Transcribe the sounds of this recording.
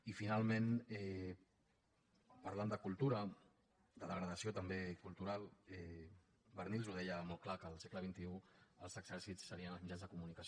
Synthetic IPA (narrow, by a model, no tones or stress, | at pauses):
ifinalˠmenɛ | pəɾland̪əkulˠt̪uɾə | d̪əðəɣɾəðəsiot̪əmbekulˠt̪uɾalˠɛ | bəɾnilˠzuðɛjəmɔl̚ˠklakəːlˠsekləβ̞int̪iuəlˠzəɡz̥ɛɾsitsːəɾiənəlˠzmid͡ʒanzðəkumunikəs